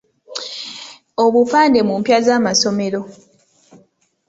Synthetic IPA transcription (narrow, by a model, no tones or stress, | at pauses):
o̞βufaːnde̞mumpjazaːmaso̞me̞ɾo̞